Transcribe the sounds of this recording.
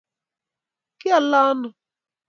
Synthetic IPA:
kɪ˦a˨la˦nʊ˨

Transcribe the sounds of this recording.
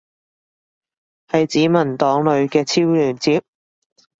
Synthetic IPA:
hɐ˨jt͡siː˨˥mɐ˨˩nt̪ɔː˨˥ŋlɵ˨˧ɥkɛː˧t͡sʰiː˥wlyː˨˩nt͡siː˨˥p̚

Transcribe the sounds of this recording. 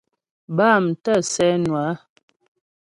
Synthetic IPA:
baː˦˨m˨tə˦˨sɛ˦nwa˨˦

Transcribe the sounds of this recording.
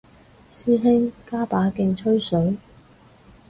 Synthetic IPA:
siː˥ɦɪ˥ŋkaː˥paː˨˥kɪ˧ŋt͡ʃʰɵ˥ɥsɵ˨˥ɥ

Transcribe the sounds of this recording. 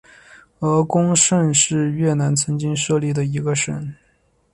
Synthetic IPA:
ɤ˧˥kʊ˥ŋʂə˥˧nʂɻ̩˥˧ɥɛ˥˩na˧˥nt͡sʰɤ˧˥ŋt͡ɕi˥ŋʂɤ˥˧li˥˩d̪ə˩i˧˥ɡə˧ʂə̰˥˩n

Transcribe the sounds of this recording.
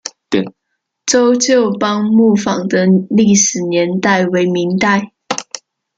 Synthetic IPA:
ʈ͡ʂo˥ʊt͡ɕjo˥˩ʊpɑ˥ŋmu˥˩fɑ˨˩ŋd̪ə˦li˥˩ʂɻ̩˨˩njɛ˧˥nt̪a˥˩ɪwe˧˥ɪmi˧˥ŋt̪a˥˩ɪ

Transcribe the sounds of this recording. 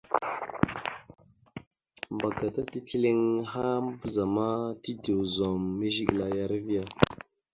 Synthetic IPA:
mba˨ɡa˨ta˦ti˦ki˦le˦ŋɦa˦m˦bə˦za˨ma˦ti˦de˨wzo˨mːe˦ʒi˦ɡla˨ja˦ɾvi˦ja˨

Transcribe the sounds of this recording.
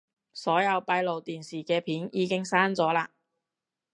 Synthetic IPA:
sɔː˨˥jɐ˨˧wpɐ˧jlo˨wt̪iː˨nsiː˨˩kɛː˧pʰiː˨˥njʔiː˨˧˥kɪ˥ŋsaː˥nt͡sɔː˨˥laː˧

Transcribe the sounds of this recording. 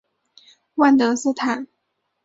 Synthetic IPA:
wa˥˩nt̪ɤ˧˥sɹ̩˥˩t̪ʰa˨˩˦n

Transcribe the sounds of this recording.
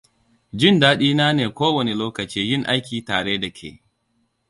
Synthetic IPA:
d͡ʒɪ˦ndaː˦ɗiː˦naː˦neː˨kʷoː˦wɐ˨ne˨loː˦kɐ˨t͡ʃiː˦jɪ˦˨ŋʔa˦jkʲiː˨taː˨ɽeː˦da˨kʲʰḛː˨

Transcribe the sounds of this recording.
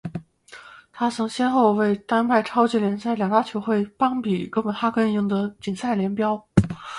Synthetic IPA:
t̪ʰa˥t͡sʰɤ˧˥ŋɕjɛ˥nxo˥˧ʊwe˥˩ɪt̪a˥npʰa˥˩ɪʈ͡ʂʰɑ˥ʊt͡ɕi˥˩ljɛ˧˥nsa˥˩ɪljɑ˨˩ŋt̪a˥t͡ɕʰjo˧˥ʊxwe˥˩ɪpɑ˥ŋpi˨˩kɤ˥npə˨˩nxa˥kə˥ni˧˥˩ŋd̪ə˨t͡ɕi˨˩nsa˥˩ɪljɛ˧˥npjɑ˥ʊ

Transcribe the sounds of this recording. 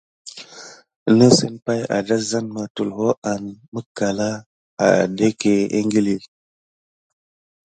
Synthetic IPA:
nə˦sə˦npa˦ja̰˨da˦za˦nma˨tu˨lho˦a˨nmə˦ka˨la˦ | a̰˨de˦ke˨ḛ˦ŋɡi˦li˨

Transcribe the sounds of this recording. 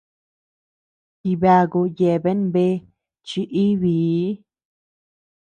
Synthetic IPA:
ki˧βa˧ɣu˧je˧˨˧βe˦nbe˦ | t͡ʃi˧ʔi˦βiː˨˦

